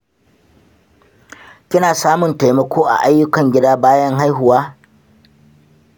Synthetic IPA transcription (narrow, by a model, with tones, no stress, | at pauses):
kʲɪ˦naː˨saː˦mʊ˨nta˨jmɐ˨kʰʷoː˦ʔa̰˨ʔa˦jːʊ˦kɐ˨ŋɡʲɪ˦daː˦baː˦jɐ˦ŋɦa˦jɦʊ˨waː˦